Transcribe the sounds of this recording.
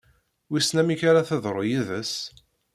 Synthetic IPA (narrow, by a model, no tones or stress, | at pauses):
wisnæmiçaɾaθəðˤɾˤojiðəs